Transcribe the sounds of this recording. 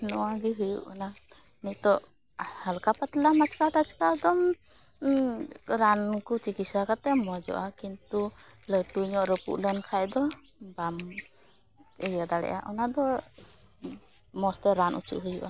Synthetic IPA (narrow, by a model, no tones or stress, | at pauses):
nɔwaɡiɦujṵʔana | mik̪t̪ɔʔ | halkapat̪lamat͡ʃkaʈat͡ʃkad̪ɔm | ɾankut͡ʃikisakat̪ɛmɔd͡ʒɔ̰ʔakint̪uləʈuɲɔʔɾəpṵʔlɛnkʰajd̪ɔ | bam | əjad̪aɽɛ̰ʔa̰ʔɔnad̪ɔ | mɔst̪ɛɾanʔṵt͡ʃṵʔɦujṵʔa